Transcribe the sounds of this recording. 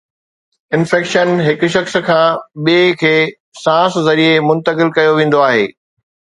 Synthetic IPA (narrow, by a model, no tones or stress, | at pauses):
ɪ̃nfɛːkʃənɦɪkʊ̆ʃ̬ɐxs̆kʰãːɓiekʰeː | sãːszɐɾiemʊ̃nt̪əkɪlkɐjoʋẽːn̆d̪oaːɦḛː